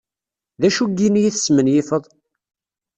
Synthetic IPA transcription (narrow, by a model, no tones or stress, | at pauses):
ðæʃuɡinjiθə̥smənjɪfəðˤ